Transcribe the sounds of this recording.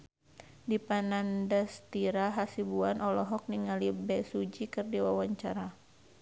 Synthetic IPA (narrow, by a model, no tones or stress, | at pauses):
dipanandast̪iɾaɦasibuanʔɔlɔɦɔk̚niŋalibɛsud͡ʒikɨrdiwawaɲt͡ʃaɾa